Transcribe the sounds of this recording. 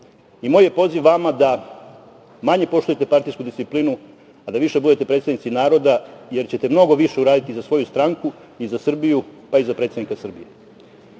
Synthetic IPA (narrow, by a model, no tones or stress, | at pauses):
imoːje̞po̞ziʋːamad̪a | maɲe̞po̞ʃt̪uje̞t̪e̞paɾt̪ijskud̪ist̪iplinu | ad̪aʋiʃe̞bud̪e̞t̪e̞pɾet̪st̪aʋnit̪sinaːɾo̞d̪aje̞ɾt͡ɕet̪e̞mno̞ɡo̞ʋiʃe̞uɾaːd̪it̪izasʋo̞just̪ɾaŋku | izasr̩bijupaizapɾet̪sanikasr̩bije̞